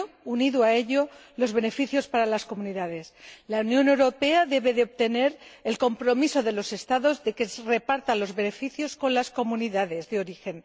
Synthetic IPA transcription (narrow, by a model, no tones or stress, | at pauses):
uniðwae̞ʎo̞lo̞zβe̞ne̞fiθjo̞spaɾalasko̞mũniðaðe̞slaunjõ̞ne̞wɾo̞pe̞aðe̞β̞e̞ðeo̞βt̪e̞ne̞ɾelko̞mpɾo̞miso̞ðe̞lo̞se̞st̪aðo̞zðe̞ke̞re̞paɾt̪alo̞zβe̞ne̞fiθjo̞sko̞nlasko̞mũniðaðe̞zðeo̞ɾixe̞n